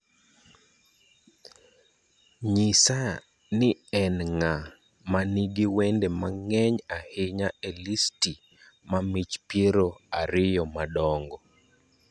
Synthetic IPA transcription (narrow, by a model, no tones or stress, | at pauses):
ɲɪsa | nɪɛnŋa | maniɡiwendemaŋɛɲahɪɲaɛlisti | mamit͡ʃpjeɾoa̰ɾɪjɔmadɔŋɡɔ